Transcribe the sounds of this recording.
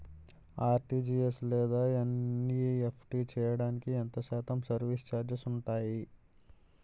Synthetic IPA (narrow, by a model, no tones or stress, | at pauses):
aːɾʈiːd͡ʒiːeslɛːd̪aːɐnːiepʰʈiːt͡ʃɛːjɐɽaːnikient̪ɐʃaːt̪ɐmsɐɾʋist͡ʃaːɾd͡ʒɐsuɳʈaːji